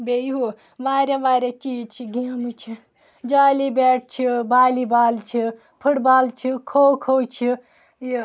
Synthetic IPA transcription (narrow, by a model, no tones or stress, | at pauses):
bejɦu | ʋaːɾʲeʋaːɾʲet͡ʃiːd͡ʒt͡ʃʰiɡaːmɨt͡ʃʰi | d͡ʒaːlibeːʈ̚ʰt͡ʃʰibaːlibaːlt͡ʃʰi | pʰɨɽbaːlt͡ʃʰikʰowkʰowt͡ʃʰi